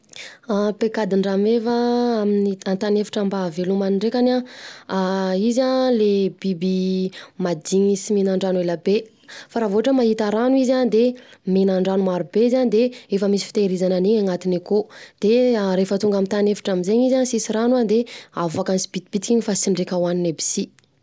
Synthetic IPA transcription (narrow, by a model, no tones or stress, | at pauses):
apekad̪iɳɖ͡ʐamevaaminiant̪anefḁʈ͡ʂambavelumaniɳɖ͡ʐekʲana | izalebibimad̪iɲisiminaɳɖ͡ʐanueləbe | faɾavoaʈ͡ʂəmaɦit̪aɾanuizand̪eminaɳɖ͡ʐanumaɾubeizaɲd̪eefəmisi̥fi̥t̪eɾizananiɲaŋat̪inikod̪̥eɾefət̪uŋɡamit̪anefḁʈ͡ʂamizeɲizansisiɾanwad̪eavakansi̥b̥it̪ib̥it̪i̥kiɲifasiɳɖ͡ʐekʲawaninebi̥si